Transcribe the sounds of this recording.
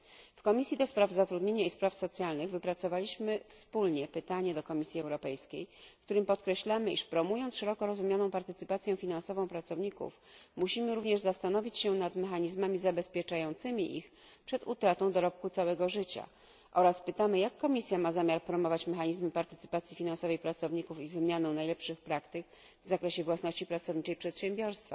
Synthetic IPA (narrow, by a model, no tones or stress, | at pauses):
fkɔmʲisʲjid̪ɔspɾavzat̪ɾud̪ɲeɲaispɾafsɔt̪sʲjalnɘɣvɘpɾat̪sɔvalʲiɕmɘfspulɲɛpɘt̪aɲɛd̪ɔkɔmʲisʲiɛwɾɔpɛjskʲejkt̪uɾɘmpɔt̪kɾɛɕlamɘʔiʂpɾɔmujɔnt̪sʂɛɾɔkɔɾɔzumjanɔ̃w̃paɾt̪ɘt̪sɘpat̪sʲjɛ̃fʲinansɔvɔ̃w̃pɾat̪sɔvɲikṵf | muɕimɘɾuvɲɛʐzast̪anɔvʲit͡ɕɕɛnat̪mɛxaɲizmamʲizabɛspʲjɛt͡ʂajɔnt̪sɘmʲiʔix | pʂɛd̪ut̪ɾat̪ɔ̃w̃d̪ɔɾɔp̚kut̪sawɛɡɔʐɘt͡ɕa̰ | ʔɔɾaspɘt̪amɘjakːɔmʲisʲjamazamʲjaɾpɾɔmɔvat͡ɕmɛxaɲizmɘpaɾt̪ɘt̪sɘ̥pat̪sʲjifʲinansɔvɛjpɾat̪sɔvɲikufivɘmʲjanɛ̃w̃najlɛpʂɘxpɾakt̪ɘk | vzakɾɛɕɛvwasnɔɕt͡ɕipɾat̪sɔvɲit͡ʂɛjpʂɛt̪ɕɛmbʲjɔɾst̪fa̰